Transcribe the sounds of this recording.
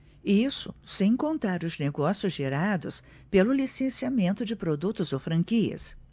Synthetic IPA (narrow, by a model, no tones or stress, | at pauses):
isʊsẽj̃kõnt̪aɾʊzneɡɔsjʊzʒeɾad̪ʊs | pelʊlisẽsiamẽnt̪ʊd͡ʒɪpɾod̪ut̪ʊzowfɾɐ̃kiɐ̰s